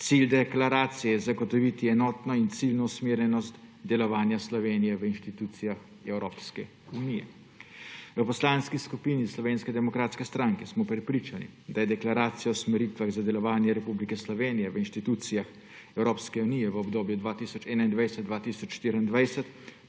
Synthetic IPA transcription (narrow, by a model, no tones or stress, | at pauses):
t̪sild̪ɛklaɾaːt̪sijɛzaɡɔt̪ɔʋit̪iɛnɔːt̪nɔint̪silnɔusmeːɾjɛnɔst̪d̪ɛlɔʋaːnjaslɔʋeːnijɛʋəinʃt̪it̪uːt̪sijax | ɛwɾoːpskɛ | unijɛ̰ | ʋəpɔslaːnskiskupiːnislɔʋeːnskɛd̪ɛmɔkɾaːt̪skɛst̪ɾaŋkɛsmɔpɾɛpɾiːt͡ʃanḭd̪ajɛd̪ɛklaɾaːt̪sijawsmɛɾit̪ʋaɣzad̪ɛlɔʋaːnjɛɾɛpublikɛslɔʋeːnijɛʋəinʃt̪it̪uːt̪sijax | ɛwɾoːpskɛuniːjɛʋəɔbd̪oːbjud̪ʋaːt̪isɔt͡ʃɛːnaind̪ʋajsɛt̪d̪ʋaːt̪isɔt͡ʃʃt̪iːɾind̪ʋajsɛt̪